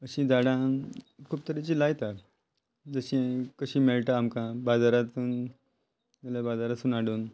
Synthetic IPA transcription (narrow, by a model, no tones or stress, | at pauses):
əɕĩd͡zaɽãkʰuːp̚t̪əɾit͡ɕilajt̪a | d͡zəɕĩkəɕiːmeɭʈaːmkãbad͡zaɾat̪uːn | məlebad͡zaɾasuːnaɽuːn